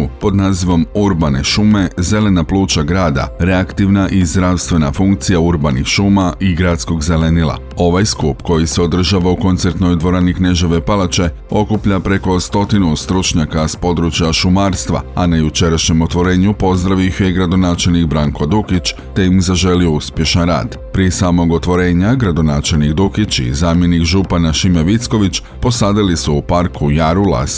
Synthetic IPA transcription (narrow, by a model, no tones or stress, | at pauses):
po̞d̪naːziʋo̞muɾbane̞ʃume̞ze̞le̞naplˠuːt͡ʃaɡɾaːd̪a̰ɾe̞akt̪iʋnaʔizd̪ɾawst̪ʋe̞nafuŋkt̪sijauɾbanixʃumaʔiɡɾaːt̪sko̞ɡze̞le̞nilˠa̰ | o̞ʋajskupko̞jise̞o̞d̪r̩ʒaːʋauko̞nt̪se̞ɾt̪no̞jd̪ʋo̞ɾanikne̞ʒoʋe̞palat͡ʃe̞ | o̞kupʎapɾe̞ko̞st̪o̞t̪inust̪ɾut͡ʃɲakaspo̞d̪ɾut͡ʃjaʃumaːɾst̪ʋa̰anajut͡ʃe̞ɾaʃɲe̞mo̞t̪ʋo̞ɾe̞ːɲupo̞zd̪ɾaʋixjeɡɾad̪o̞naːt͡ʃe̞lnikbɾaŋko̞d̪ukit͡ʃt̪e̞imzaʒe̞liuspje̞ʃanɾa̰ːd̪ | pɾiesaːmo̞ɡo̞t̪ʋo̞ɾe̞ːɲaɡɾad̪o̞naːt͡ʃe̞lnikd̪ukit͡ʃḭzaːmje̞nikʒupanaʃimeʋit̪sko̞ʋit͡ʃ | po̞saːd̪alisuːpaɾkʰujaɾula̰s